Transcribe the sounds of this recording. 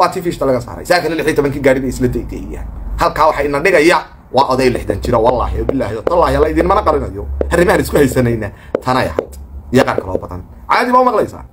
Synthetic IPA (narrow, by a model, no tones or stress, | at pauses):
wɑːt̪ʰiːfiːʃt̪ʰɐlɐɣɐsa̰ːɾɛ̰jsðakʰɐnɐlɪħijɛt̪ʰɔβɐŋkʰiːɡaːɽɪbɛjɪslɐd̪ɛd̪ɛ̰ja̰ːnhɐlkʰaːwɑħɑɪnːɐɖɪɣɐjɐ | wɑːʔɔðɛjlɪħd̪ɐnt͡ʃɪɾɐwɑla̰ːɦɪjɔbɪlːahɛðɔt̪ʰɐlaːhɪɐlɐɪðiːnmɐnɐqɑlɪnɐjɔhɐrɪmɐhɐnɪskʰʊhɛjsɐnɛjnɐt̪ʰɐnɛjɐ̰hɐ̰jd̪̥ɪjɐqɑːrkʰɐlɔ̰ːbɐðɐ̰n | ʕɑjaːðiːβaːʊmɑqlɛjsa̰ː